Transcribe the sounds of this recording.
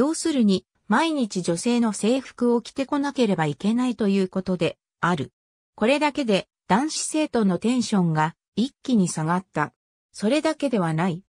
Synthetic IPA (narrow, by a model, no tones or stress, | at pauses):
jo̞ːsɨɾɯ̟ɲ̟i | maiɲ̟it͡ɕid͡ʑo̞se̞ːno̞se̞ːɸɯ̟̥kɯ̟o̞kʲi̥t̪e̞ko̞nake̞ɾe̞baike̞nait̪o̞jɯ̟ːko̞t̪o̞d̪e̞ | aɾɯ̟ | ko̞ɾe̞d̪ake̞d̪e̞ | d̪̥ãɰ̃ɕi̥se̞ːt̪o̞nːo̞t̪ẽ̞ɰ̃ɕõ̞ŋɡa | ikʲːiɲ̟isaɡat̪ːa | so̞ɾe̞d̪ake̞d̪e̞β̞anai